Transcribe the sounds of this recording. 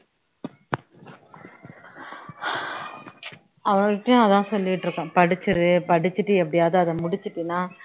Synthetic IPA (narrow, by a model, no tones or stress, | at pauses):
ɐʋɐŋɪʈːɐjʊ̃ɐðãːsɔlːɪɪʈːɾɯkːãːpɐɽɪt͡ʃːɯɯpɐɽɪt͡ʃːɯʈːɯɛp̬ːɐɽɪjaːðɐɐðɐ̃mʊɽɪt͡ʃːɯʈːɯnːaː